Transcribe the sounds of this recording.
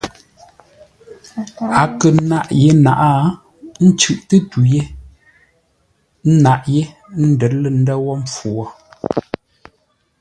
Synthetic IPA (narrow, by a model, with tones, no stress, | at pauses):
a˨kə˨na˦˨ʔje˦na̰˨ʔa˦ | n̩˦t͡ʃʉ˦˨ʔtə˦tu˨je˦ | n̩˦na˦ʔje˦ | n̩˦də˨tlə˨n̩˦də˦wɔ˦m̩˦p͡fu˨ɔ˦˨